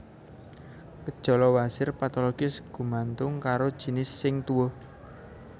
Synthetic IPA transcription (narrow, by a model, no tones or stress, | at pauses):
kəd̥ʒ̥ɔ̤lɔwasɪrpat̪ɔlɔɡ̥ɪsɡ̥ṳmant̪ʊŋkaɾod̥ʒ̥i̤nɪsːɪŋt̪uwo